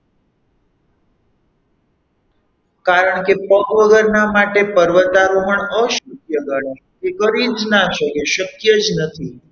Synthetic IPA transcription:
kaɾəɳkepəkʋəɡəɾnamaʈepəɾʋət̪aɾũɦəɳəʃukjəɡaɳe | ekəɾid͡ʒnaʃəkeʃəkjəd͡ʒnət̪ʰi

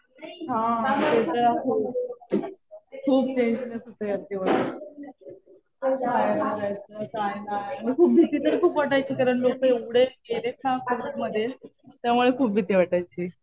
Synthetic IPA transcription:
ɦãt̪et̪əɾakʰuːb | kʰuːb̚t͡ɕend͡ʑnəsut̪ʰəjaɾt̪iʋaʈa | kajnaɾajt͡səkajnanikʰuːp̚bʱit̪iːt̪əɾkʰuːpʋaʈajt͡ɕiːkaɾəɳlokeuɽ̤eelekʰãkeɾt̪məd̪ʱːje | t̪jamuɭekʰuːp̚bʱit̪iːʋaʈajt͡ɕi

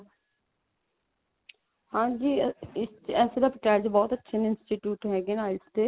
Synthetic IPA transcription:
hãːd͡ʒiːɪsɛːseːd̪aːpəʈɛːɾd͡ʒbɔːt̪ətːʃʰenɪnsʈiʈjuːʈɦɛːɡenaːɪst̪eː

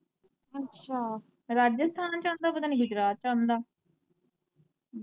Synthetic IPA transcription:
ətːʃʃʰaː | ɾaːd͡ʒəst̪ʰaːnt͡ʃãːnd̪aːpət̪aːniːɡʊd͡ʒɾaːt̪̚t͡ʃãnd̪aː

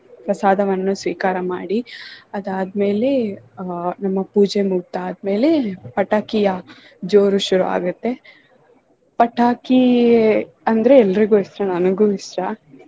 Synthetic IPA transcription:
pɾɐsaːd̪ʱɐʋɐnɐnːusʋiːkaːɾɐmaːɽiɐd̪aːd̪me̞ːle̞ | nɐmːɐpuːd͡ʒemuɡ̚t̪aaːd̪me̞ːle̞pɐʈaːkijɐ | d͡ʒoːɾuʃuɾua̰ːɡut̪ːe̞ | pɐʈʰaːki | ɐnd̪ɐɾe̞ɛlːɐɾiɡuist̪ɾɐnɐnɐɡuːisɾɐ

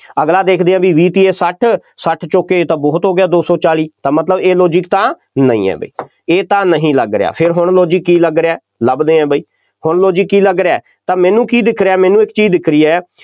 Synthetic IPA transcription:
əɡlaːd̪eːkʰd̪eːãːbiːʋiːt̪iːeːsəʈʰ | səʈʰt͡ʃoːkeːt̪ãːbɔːt̪ɦoːɡɪjaːd̪oːsɔːt͡ʃaːliːt̪ãːmət̪ləbeːloːd͡ʒɪk̚t̪ãː | nə̰ḭ̃ːɛ̰ːbə̰iː | eːt̪ãːnəɦĩːləɡɾḛɪ̰ja̰ːpʰɪɾɦʊɳloːd͡ʒɪkːiːləɡɾeaː | ləbd̪eːɛ̃ːbəiː | hʊɳloːd͡ʒɪkːiːləɡɾeaː | t̪ãːmɛ̃ːnũːkiːd̪ɪkʰɾeaːmɛːnũːɪkt͡ʃiːzd̪ɪkʰɾiːɛː

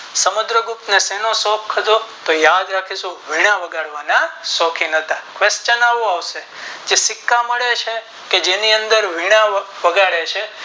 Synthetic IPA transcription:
səmud̪ɾəɡupnesɛnosɔkʰːəd̪ot̪ojad̪ɾakʰisũʋiɽ̃aʋəɡaɽʋanasɔkʰinɦət̪akʋest͡ʃənaʋũaʋse | d͡ʒesɪkːaməɭet͡ʃʰe | ked͡ʒeniənd̪əɾʋiɽ̃aʋəɡaɭet͡ʃʰe

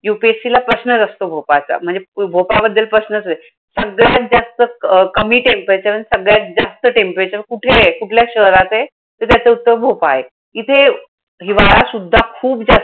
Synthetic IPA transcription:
jupesilapɾəsnəd͡zəst̪obʱopat͡sa̰m̤əɳd͡zebʱopabəd̪ʱːəlpɾəsnəst̪e | səɡɭjat̪̚d͡zast̪əkəmiːʈempet͡ɕaənsəɡɭjat̪̚d͡zast̪əʈempet͡ɕakuʈʰekuʈʰljaɕəɦɾat͡se | t̪əɾt̪jat͡seut̪ːəbʱopaɦe | it̪ʰe | ɦiʋaɭasud̪ʱːakʰuːbd͡za

